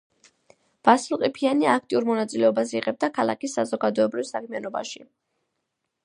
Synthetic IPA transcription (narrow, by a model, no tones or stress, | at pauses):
b̥aslˠqʼipʰianiaak̚ʰt̪ʼiuɾmɔnat̪sʼilɛɔbasḭʁɛb̚d̪akʰalˠa̰kisːazɔɡad̪ɔɛbɾivsakʰmianɔba̰ʃi